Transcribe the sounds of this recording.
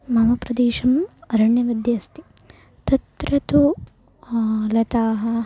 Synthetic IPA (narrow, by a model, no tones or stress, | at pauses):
mɐmɐpɾɐd̪eːʃɐmɐɾɐɳjɐʋɐd̪jɐst̪i | t̪ɐt̪ɾɐt̪u | lɐt̪aːɦɐ